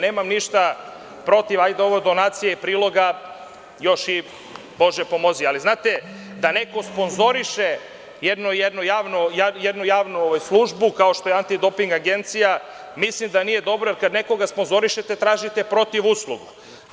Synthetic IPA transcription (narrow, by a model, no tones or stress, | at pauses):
neːmamniʃt̪a | pɾo̞t̪iʋajd̪eo̞ʋojd̪o̞naːt̪sijeipɾiːlˠo̞ɡa | jo̞ʃi | bo̞ʒepo̞mo̞zializnaːt̪e | d̪ane̞ko̞spo̞nzo̞ɾiʃe | jed̪nojed̪nujaːʋnojajed̪nujaːʋnuoʋajslˠuʒbukaoʃt̪o̞jeant̪id̪o̞piŋɡaɡe̞nt̪sija | mislimd̪anije̞d̪o̞bɾojeɾkad̪ne̞ko̞ɡaspo̞nzo̞ɾiʃet̪et̪ɾaːʒit̪e̞pɾo̞t̪iʋuslˠuɡu